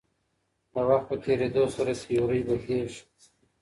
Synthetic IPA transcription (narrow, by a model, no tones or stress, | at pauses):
awaxt̪̚pət̪ʰeɾed̪osaɾasijoɾijbəheʃ